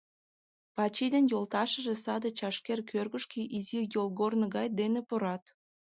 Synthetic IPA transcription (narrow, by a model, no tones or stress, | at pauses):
pɑt͡ɕid̪enjolt̪ɑʃəʒesɑd̪ət͡ɕɑʃkerkʰørɣəʃkiʔizijolˠɣornəɣɑjd̪enepoɾɑt̪